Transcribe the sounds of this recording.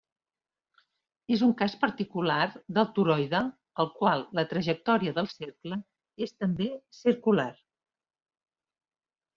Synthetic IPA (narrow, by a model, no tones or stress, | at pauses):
ezuŋkaspəɾt̪ikularðəlˠt̪uɾɔjðə | əlˠkwalˠːət̪ɾəʒək̚t̪ɔɾiəðəlˠseɾklə | est̪əmbesiɾkular